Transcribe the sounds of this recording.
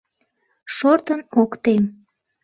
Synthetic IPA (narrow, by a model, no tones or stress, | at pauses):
ʃort̪ənokt̪em